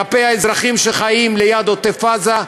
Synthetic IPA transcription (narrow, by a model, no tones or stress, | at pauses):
apejhaezʁaχimʃeχajimlejad̪ot̪efaza